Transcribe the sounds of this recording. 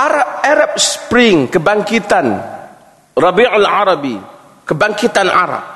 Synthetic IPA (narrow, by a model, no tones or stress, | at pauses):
ʔaɾap̚aɾap̚sə̥pɾɪŋkəbaŋkit̪an | rɑbiʕalʕaɾɑbi | kəbaŋkit̪ana̰ɾa̰p̚